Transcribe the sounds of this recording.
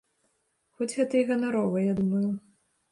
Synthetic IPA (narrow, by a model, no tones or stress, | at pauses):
xɔd͡zʲɣɛt̪ɐjɣɐnaɾɔvɨjad̪umɐju